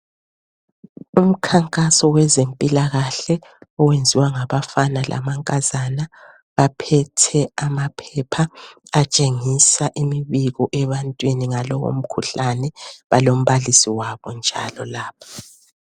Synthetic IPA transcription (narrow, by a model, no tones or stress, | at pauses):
um̩kʰaŋkʼasɔwɛzempʼilaɣaɬɛ | ɔwend͡zʱiwaŋaβafanalʔa̰maŋkʼazana | βapʰɛtʰɛamapʰɛpʰaat͡ʃʼeŋisaʔemiβiɣɔʔɛβantʼwiniŋalɔɣo̰m̩kʰuɬanɛβalom̩βalisiwaβɔnd͡ʒʱa̰lɔlaːpʰḁ